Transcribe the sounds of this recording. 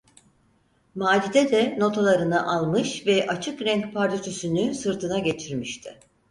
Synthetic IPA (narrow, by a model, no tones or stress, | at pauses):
maːd͡ʒid̪ɛd̪ɛno̞t̪ʰalˠaɾɯnɯʔalˠmɯʃvɛʔat͡ʃʰɯkɾɛɲcpʰaɾd͡ʒ̪at͡ʃʰysynysɯɾt̪ʰɯnaɟe̞t͡ʃʰiɾmiʃt̪ʰɪ